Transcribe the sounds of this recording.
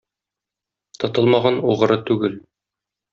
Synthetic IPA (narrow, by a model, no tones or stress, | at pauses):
t̪ʰɒ̆t̪ɤlˠmɑʁɑnuʁɤ̆ɾɤt̪ʉɡɘl